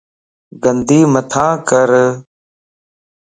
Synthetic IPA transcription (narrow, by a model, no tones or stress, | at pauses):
ɡənd̪iːmət̪ʰãːkəɾ